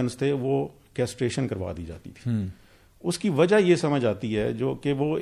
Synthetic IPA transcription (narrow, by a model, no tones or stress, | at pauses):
ənst̪ʰeʋoː | kɛːsʈɾeːʃənkəɾʋa̰ːd̪ḭːd͡ʒa̰ːt̪ḭt̪ʰi̥ː | ʊskiʋɐd͡ʒaɦjesɐməd͡ʒaːt̪iɦɛːd͡ʒoːkeʋoː